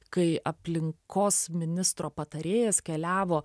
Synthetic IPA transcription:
kɐɪʔɐpʲlʲɪŋkoːsmʲɪnʲɪst̪ɾoːpɐt̪ɐɾʲeːjɛskʲɛlʲæːʋoː

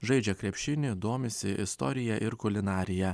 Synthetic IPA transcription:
ʒɐɪd͡ʒʲɛkɾʲɛpʲʃʲɪnʲɪd̪oːmʲɪsʲɪʔɪst̪ɔ̰ːɾʲɪjɛʔɪɾkʊlʲɪnɑːɾʲɪjɛ

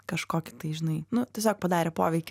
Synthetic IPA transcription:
kɐʃkoːkʲɪ̥t̪ɐɪʒʲɪnɐɪnʊtʲiɛsʲoːk̚pɐd̪ɑːɾʲɛpo̰ːʋʲɛɪkʲɪ

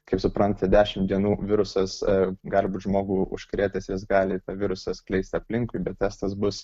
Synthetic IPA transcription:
kɐɪpsʊpɾɐnt̪ɐdʲæːʃʲɪmd̪ʲiɛnuːʋʲɪɾʊsɐsɡɑːlʲɪbuːt̪ʒmoːɡuːʊ̰ʃʲkɾʲeːt̪ʲɐsjɪsɡɑːlʲɪt̪ɑʋʲɪɾʊsɐsklʲɛɪsʲt̪ʲɐpʲlʲɪŋkʊɪbʲɛt̪t̪ʲɛst̪ɐsbʊs

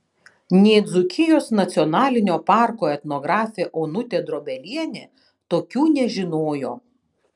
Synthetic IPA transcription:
nʲɛːd̪zʊkʲɪjoːsnɐt̪sʲɪɔnɑːlʲɪnʲoːpɑˑɾkoːɛt̪noːɡɾɑːfʲeːʔoːnʊt̪ʲeːd̪ɾoːbʲɛlʲiɛnʲeː | t̪oːkʲuːnʲɛʒʲɪnoːjoː

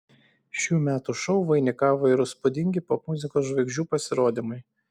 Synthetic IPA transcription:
ʃʲuːmʲæːt̪uʃɔʊʋɐɪnʲɪkɑːʋoːɪɾʊspʊd̪ʲɪŋʲɡʲɪpoːmʊzʲɪkoːs̬ʒʋɐɪɡʒʲuːpɐsʲɪɾoːd̪ʲimʊɪ

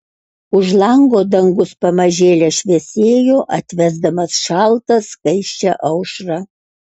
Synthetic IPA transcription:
ʊʒlˠɐŋɡoːd̪ɐŋɡʊspɐmɐʒʲeːlʲɛʃʲʋʲesʲeːjoːʔɐt̪ʲʋʲæzd̪ɐmɐsʃɑlˠt̪ɐskɐɪʃʲt͡ʃʲɛʔɐʊʃɾɑ

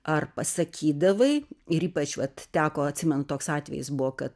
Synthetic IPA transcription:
ɐrpɐsɐkʲiːd̪ɐʋɐɪɪɾiːpɐt͡ʃʋɐt̪t̪ʲæːkoːɐt̪ʲsʲɪmʲɛnʊt̪oːksɑːt̪ʲʋʲɛ̰jɪsbuʋoːkɐt̪

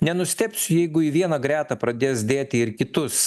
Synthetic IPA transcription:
nʲɛnʊsʲt̪ʲɛpʲsʲʊjɛɪɡʊiʋʲiɛnɐɡɾʲæːt̪ɐpɾɐd̪ʲeːs̬d̪ʲeːt̪ʲɪɪɾkʲɪt̪ʊs

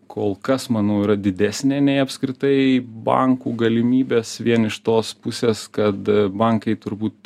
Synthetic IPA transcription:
kʰoːlˠkɐsmɑːnɐʊiɾɐd̪ʲɪd̪ʲæːsʲnʲeːnʲɛɪɐpskɾʲɪt̪ɐɪbɐ̰ŋkuːɡɐlʲɪmʲiːbʲeːsʋʲiɛnɪʃt̪oːspʊsʲeːskɐt̪bɐŋkɐɪt̪ʊɾbuːt̪

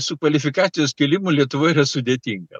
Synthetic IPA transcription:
sʊkʋɐlʲɪfʲɪkɑːt̪sʲɪjoːskʲɛlʲɪmʊlʲiɛt̪ʊʋoːɪɾɐsʊd̪ʲeːt̪ʲiːŋɡɐ

